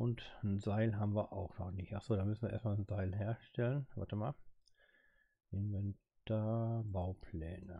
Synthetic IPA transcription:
ʔʊntn̩zaɪlɦaːbm̩viːɐʔaʊxnɔχnɪçtʔaχz̥oːdaːmʏsn̩viːɐḛɐstmaːlnzaɪlɦeːɐʃtɛlənva̰ɐtəmaːl | ʔɪnvɛntabaʊpʰlɛːnə

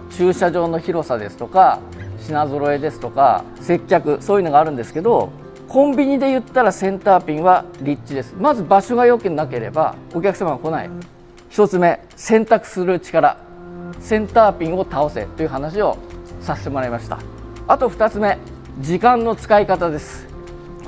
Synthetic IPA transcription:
t͡ɕɨːɕaʑo̞ːno̞çiɾo̞sad̪e̞sɨ̥t̪o̞ka | ɕinazo̞ɾo̞e̞d̪e̞sɨ̥t̪o̞ka̰ | se̞kʲːakɯ̟so̞ːjɯno̞ɡaːɾɯ̟̃nd̪e̞sɨ̥ke̞d̪o̞ | kʰõ̞mbʲiɲ̟id̪e̞jɯ̟t̪ːaɾasẽ̞nt̪aːpʲĩŋβaɾʲit͡ɕt͡ɕːid̪e̞sɨ̥mazɨbaɕo̞ɡajo̞kʲinnake̞ɾe̞ba̰o̞kʲakɯ̟̥samaβako̞naḭ | çi̥t̪o̞t͡sɨme̞ | sẽ̞nt̪akɯ̟̥sɨɾɯ̟t͡ɕi̥kaɾa̰ | sẽ̞nt̪aːpʲĩɰo̞t̪ao̞se̞̰t̪o̞jɯ̟ɦanaɕio̞sase̥t̪e̞mo̞ɾaimaɕi̥t̪a̰ | at̪o̞ɸɯ̟̥t̪at͡sɨme̞ | d͡ʑikãnnːo̞t͡sɨ̥kaikat̪ad̪e̞sɨ̥

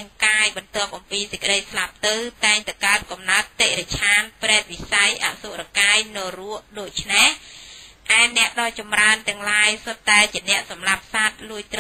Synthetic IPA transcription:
ŋkaːjɓɑnt̪ŏəp̚ʔɑmpiːsec̚kə̆ɗəjslap̚t̪ɨwt̪aɛŋt̪awkaət̪̚kɑmnaət̪ːeʔret͡ɕʰaːnprɛɛt̪̚ʋisajʔa̰ʔsuʔrakaːjnɔːruəʔɗoːc̚t͡ɕʰnehʔaɛnɛ̆əʔɗɑːt͡ɕɑmraənt̪ɛ̆əŋlaːjsot̪ːaɛt͡ɕiənɛ̆əʔsɑmlap̚sat̪̚luəjt̪

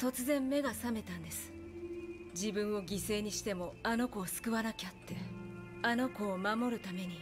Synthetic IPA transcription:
t̪o̞t͡sɨzẽ̞mːe̞ɡasame̞t̪ãnd̪e̞sɨ̥ | d͡ʑibɯ̟̃ɰ̃o̞ɡʲise̞ːɲ̟iɕi̥t̪e̞mo̞ano̞ko̞ːsɨ̥kɯ̟βanakʲat̪ːe | ano̞ko̞ːmamo̞ɾɯ̟t̪ame̞ɲ̟i

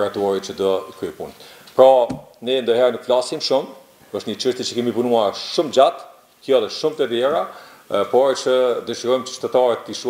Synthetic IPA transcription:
ɾat̪ɔɾit͡ʃəd̪ɔikɾyɛpṵnpɾanɛnd̪ɔɦɛɾnukflasimʃum | əʃt̪ɲət͡ʃəʃt̪jɛt͡ʃəkɛmipunuaɾʃumd͡ʑat̪ | k̪jɔlɛʃumt̪əðjɛɾa | pɔɾt͡ʃəd̪əʃiɾɔjmt͡ʃə̥ʃt̪ɛt̪aɾət̪ːiʃu

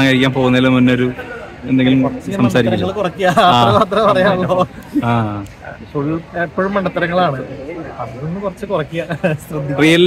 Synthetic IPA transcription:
aŋkɐɻikʲːaːnpo̞ːɣunːɐilːomunːoɾu | end̪e̞ŋɡilumurɐt͡ɕːɐsɐmsaːɾikʲːɐŋɐɭkurɐkːijɐaːt̪ːrɐaːt̪rɐpɐrɐjaːɭːoːaː | soɭiepːoːɻumːɐɳɖɐt̪ːɐɾɐŋːɐɭaːɳɨɐnɐɾunːɨkurɐt͡ɕːɨkurɐkːijɐɕrɐd̪ʱːirijɐl

